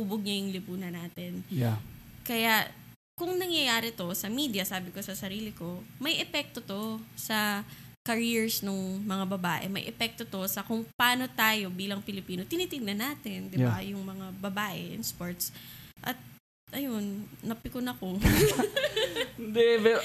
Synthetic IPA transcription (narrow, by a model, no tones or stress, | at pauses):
uːboɡ̚ɲɐjʊŋlɪpuːnɐnaːt̪ɛna | kɐja | kʊŋnɐŋjɐjaːɾɪt̪o̞sɐmiːd̪jɐsaːbɪko̞sɐsɐɾiːlɪko̞mɐjʔɛpɛk̚t̪o̞t̪o̞sɐ | kɐɹiɹsnoŋmɐŋabɐbaːʔɛ̰mɐ̰jʔɛpɛk̚t̪o̞t̪o̞sɐkʊŋpɐaːno̞t̪aːjo̞biːlɐŋpɪlɪpiːno̞t̪ɪniːt̪ɪŋnɐnaːt̪ɪnd̪ɪbajʊŋmɐŋabɐbaːʔɛ̰ʔɪ̰nspoɹt̪s | ʔɐt̪̚ | ʔɐjonːɐpɪkʊnɐko | d̪ɛbɛ